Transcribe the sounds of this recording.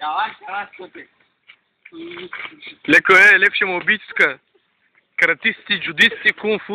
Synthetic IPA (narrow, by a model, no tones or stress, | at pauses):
lɛkoɛlɛkʃɛmobit͡ʃ̪skɐ | kɐɾɐt̪ist̪ʲid͡ʒud̪ist̪ʲikunfu